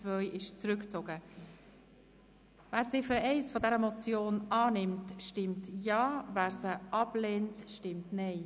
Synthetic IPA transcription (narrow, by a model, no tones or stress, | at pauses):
t͡svœʏʔɪʃt͡sɾʏkt͡soɡə | væːɾt͡sɪfəɾɛɪsfɔdɛɾəmɔt͡sjoːnɑːnɪmtʃtɪmtjɑːvæːɾsəʔɑb̥leːntʃtɪmtnɛɪ